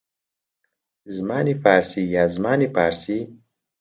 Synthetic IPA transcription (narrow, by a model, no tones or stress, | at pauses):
zmaːnifaːɾsijaːzmaːnipaːɾsi